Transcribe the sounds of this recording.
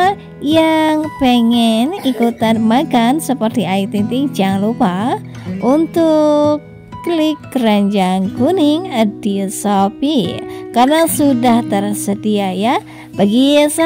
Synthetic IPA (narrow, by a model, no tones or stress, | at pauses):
jaŋpɛŋɛnikut̪anmaɡansəpərt̪iaik̚t̪int̪ik̚d͡ʒaŋlupa | unt̪ukː | lɪkːraɲd͡ʒaŋkuniŋədisopikarnasudaht̪ərsəd̪iaja | baɡisa